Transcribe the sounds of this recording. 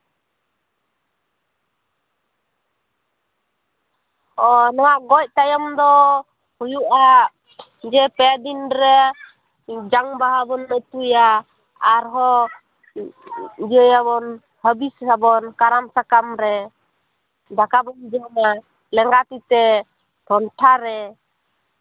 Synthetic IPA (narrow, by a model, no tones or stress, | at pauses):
ɔnɔwaʔɡɔc̚t̪ajɔmd̪ɔ | hujuʔa | d͡ʒɛpɛad̪inɾɛ | d͡ʒaŋbaɦabɔnːəc̚t̪uja | aɾɦɔ | d͡ʒəjabɔn | həbishabɔnkaɾamsakamɾɛ | d̪akabɔnd͡ʒana | lɛŋɡat̪it̪ɛ | t̪ʰɔnʈʰaɾɛ